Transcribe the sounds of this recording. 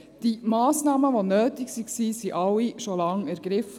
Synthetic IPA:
d̥imɑːsnɑːməʋonøːtiksiksisiʔɑwːiʃolɑŋæɾɡ̥ɾɪfə

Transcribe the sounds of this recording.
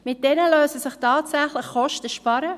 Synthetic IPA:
mɪt̚d̥ɛnəløːsəsɪχtɑːtsæχlɪχχɔʃtəʃpɑɾə

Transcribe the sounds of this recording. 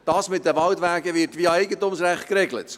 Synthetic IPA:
d̥ɑːsmɪt̚d̥əʋɑltʋæːɡəʋɪtʋiɑɛɪɡəntumsɾæχt̚kɾeɡlə̰t

